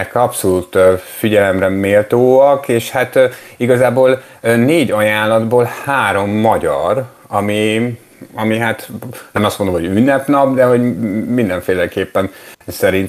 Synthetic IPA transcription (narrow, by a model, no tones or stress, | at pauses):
ɛkɒpso̞luːt̪ːfiɟɛlɛmrɛmeːlt̪oːɒkeːʃhat̪iɡɒzaːboːl | neːɟɒjaːnlːɒd̪boːlhaːɾo̞mːɒɟɒɾ | ɒmi | ɒmiɦat̪nɛmɒst̪mond̪omhoɟynːɛpnɒbd̪ɛɦo̞ɟmind̪ɛɱfeːlɛkeːpːɛnsɛɾint̪